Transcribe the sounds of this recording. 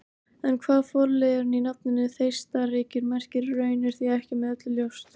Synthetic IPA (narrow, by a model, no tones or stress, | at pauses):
ɛnkʰvaːðfɔɾlɛɾʏninat̪̚nɪnːɪθejst̪arɪːcɪɾmɛr̥cɪɾːœːɥnɪɾ̥θiaɛhcɪmɛðœt̪lɪljowst̪